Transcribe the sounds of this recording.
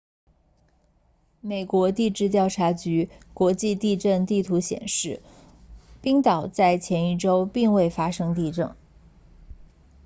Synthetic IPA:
me˨˩ɪkwɔ˧˥t̪i˥˧ʈ͡ʂɻ̩˥˧t̪jɑ˥˩ʊʈ͡ʂʰa˧˥t͡ɕy˧˥kwɔ˧˥t͡ɕi˥˧t̪i˥˧ʈ͡ʂə˥˧nt̪i˥˩t̪ʰu˧˥ɕjɛ̰˨˩nʂɻ̩˥˩ | pi˥ŋt̪ɑ˨˩ʊt͡sa˥˩ɪt͡ɕʰjɛ˧˥ni˥˩ʈ͡ʂo˥ʊpi˥˧ŋwe˥˩ɪfa˥ʂɤ˥ŋt̪i˥˧ʈ͡ʂɤ˥˩ŋ

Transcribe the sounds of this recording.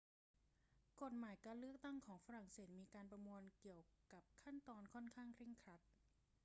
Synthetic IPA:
ko˨˩t̪̚maː˩˦jkaː˧nlɯ˥˩ək̚t̪a˥˩ŋkʰɔː˩˦ŋfa˧ɾa˨˩ŋseː˨˩t̪̚miː˧kaː˧npɾa˧mu˧ənki˨˩əwka˨˩p̚kʰa˥˩nt̪ɔː˧nkʰɔ˥˩nkʰaː˥˩ŋkʰɾi˥˩ŋkʰɾa˦˥t̪̚

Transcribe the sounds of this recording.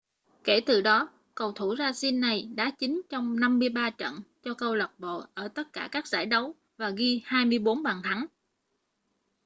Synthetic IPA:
ke˧˩t̪ɨ˨˩ɗɔ˨˦ | kə˨˩wt̪ʰu˧˩zaː˧si˧nːa˨˩jɗa̰ː˧˥t͡ɕï˨˦ŋ̟t͡ɕɔ˧wŋ͡mna˧mːɨ˧əjɓaː˧t͡ɕə̰˧˨nt͡ɕɔ˧kə˧wlə˨˩p̚ɓo̰˧˨ʔəː˧˩t̪ə˦˥t̚kaː˧˩kaː˦˥k̚za̰ː˧˩jɗə˨˦w | vaː˨˩ɣi˧haː˧jmɨ˧əjɓo˨˦nɓaː˨˩nt̪ʰa˨˦ŋ

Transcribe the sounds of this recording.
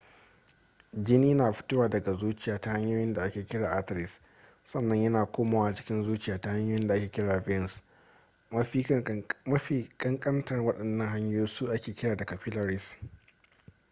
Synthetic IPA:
d͡ʒɪ˦niː˦naː˨ɸɪ̥˦tʊ˦waː˨dɐ˨ɡa˨zuː˦t͡ʃɪ˨jaː˨ta˦ha˦ɲjoː˦jɪ˦nda˨ʔa˦kʲeː˨kʲɪ˦ɽaː˨ʔa˦tɪ˨ɾɪ˨s | sɐ˦˨nːɐ˦ɲjɐ˦naː˨kʷoː˦maː˨waː˦˨t͡ʃɪ̥˦kʲɪ˦nzuː˦t͡ʃɪ˨jaː˦˨ta˦ha˦ɲjoː˦jɪ˦nda˨ʔa˦kʲeː˨kʲɪ˦ɽaː˨bɛ˦ns | mɐ˦i˦˨kʼɐ˦ŋkʼɐ˦ntɐ˨rwɐ˦ɗɐ˨nːɐ˦ŋɦa˦ɲjoː˦jsu˦ʔa˦kʲeː˨kʲɪ˦ɽaː˨da˨kɐ˨ɸɪ˦lɐ˨ɾɪ˦s

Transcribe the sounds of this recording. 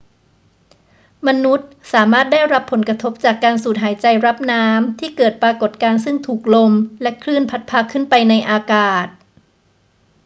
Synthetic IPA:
ma˧nu˦˥t̪̚saː˩˦maː˥˩t̪̚daː˥˩jɾa˦˥pʰːo˩˦nkɾa˧t̪ʰo˦˥p̚t͡ɕaː˨˩kːaː˧nsuː˨˩t̪̚ɦaː˩˦jt͡ɕa˧jɾa˦˥p̚naː˦˥mt̪ʰiː˥˩kɤː˨˩t̪̚pɾaː˧ko˨˩t̪̚kaː˧ns̬ɯ˥˩ŋt̪ʰuː˨˩k̚lo˧mlɛ˦˥kʰlɾɯ˥˩npʰa˦˥t̪̚pʰaː˧kʰːɯ˥˩npa˧jna˧jʔaː˧kaː˨˩t̪̚

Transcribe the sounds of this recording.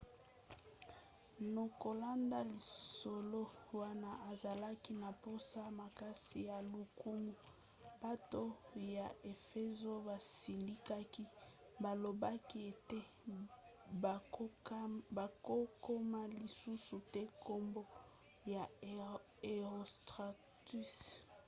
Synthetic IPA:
no˨ko˨la˦nda˦li˨so˨lo˦wa˦na˦ʔa˨za˨la˦ki˦na˨po˦sa˦ma˨ka˦si˨ja˨lu˨ku˦mu˨ | ba˦to˦ja˨e˨fe˦zo˦ba˨si˨li˦ka˦ki˦ | ba˨lo˨ba˦ki˦e˨te˦ | ba˨ko˦ko˦ma˦li˨su˦su˨te˦ko˦mbo˦ | ja˨ | e˨ʁo˨stʁa˨ | ti˦s

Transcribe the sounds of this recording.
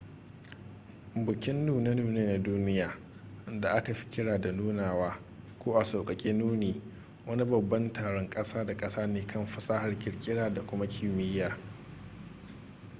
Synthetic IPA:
bʊ˨kʲɪ˦nːuː˨ne˦nuː˨neː˦na˦duː˦nɪ˦jaː˨˦ | da˨ʔa˦ka˨ɸi̥˦kʲɪ˦ɽaː˨da˨nuː˦naː˨waː˦ | kʷoː˦ʔa˨soː˨kʼɐ˨kʲʼeː˦nuː˦niː˨ | wɐ˦ni˦bɐ˨bːɐ˦ntaː˨ɽɔ˦ŋkʼɐ˦saː˦da˨kʼɐ˦saː˦neː˨kɐ˦˨mɸɐ˦saː˦ha˨rkʲɪ˨ɽkʲʼɪ˦ɽaː˦da˨kʷʊ˦ma˦kʲʰɪ˨mɪ˦jːaː˨

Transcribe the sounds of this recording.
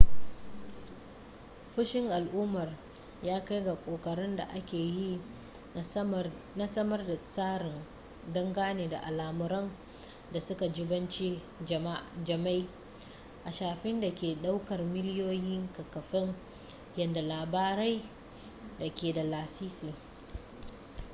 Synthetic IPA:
ɸʊ˦ʃɪ˦ŋʔa˨lʔuː˦mɐ˨r | jaː˦ka˦jɡa˨kʷʼoː˨kʼɐ˨ɾɪ˦nda̰˨ʔa˦kʲeː˨ji˦ | na˦sɐ˦mɐ˦rda˨saː˦ɾɪ˨n | dɐ˦ŋɡaː˦neː˨da̰˨ʔa˨laː˨mʊ˨ɾɔ˦n | da˨sʊ˦ka˨d͡ʒɪ˦bɐ˦nt͡ʃi˦ | m˦d͡ʒɐ˨ma˦j | ʔa˨ʃaː˨ɸɪ˦nda˨kʲeː˨ɗa˦wkɐ˨rmɪ˦lɪ˦joː˦jɪ˦ŋkɐ˨kɐ˨ɸɪ˦ŋ | jɐ˨nda˨laː˨baː˦ɾa˦j | da˨kʲeː˨da˨laː˨siː˦si˨

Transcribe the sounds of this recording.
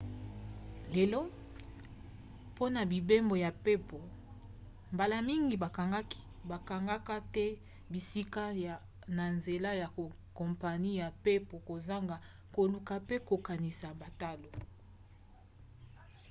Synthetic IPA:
le˨lo˦ | po˦na˨bi˨be˦mbo˨ja˨pe˦po˨ | mba˨la˨mi˦ŋɡi˨a˨˦ | ba˨ka˨ŋɡa˦ka˦tɛ˦ | bi˨si˦ka˦ja˨ | na˨nze˨la˦ja˨o˨ | ko˨mpa˨ni˦ja˨pe˦po˨ko˨za˦ŋɡa˨ | ko˨lu˨ka˨pe˦ko˨ka˨ni˨sa˨ba˨ta˦lo˨

